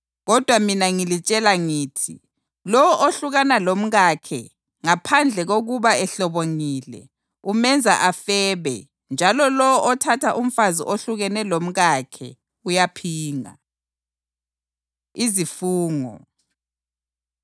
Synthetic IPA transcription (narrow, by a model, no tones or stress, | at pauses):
ɣɔd̥ʱwaminaŋilit͡ʃʼɛlaŋiːtʰi | lɔwɔʔoɬuɣanalom̩ɣakʰɛ̰ | ŋapʰand͡ɮʱɛɣoɣuβaɛɬɔβoŋilɛ̰ | umɛnd͡zʱaʔafɛːβɛ̰ | nd͡ʒʱalɔlɔwɔʔɔtʰatʰaʔum̩faziʔoɬuɣɛnɛlom̩ɣakʰɛ̰ | ujapʰiːŋa̰ | izifuːŋɔ̰